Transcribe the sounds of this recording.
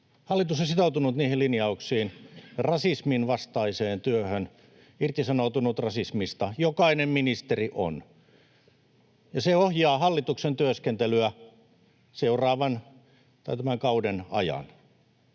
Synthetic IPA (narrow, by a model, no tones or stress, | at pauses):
hɑlːit̪usosit̪out̪unut̪niːhilinjɑuksiːnrɑsisminʋɑst̪ɑiseːnt̪yøhøn | irt̪isɑnout̪unut̪rɑsismist̪ɑjokɑinemminist̪eriʔo̰n | jɑseohjɑːhɑlːit̪uksent̪yøskent̪elyæ | seurɑːʋɑn | t̪ɑit̪æmæŋkɑudenɑ̰jɑ̰n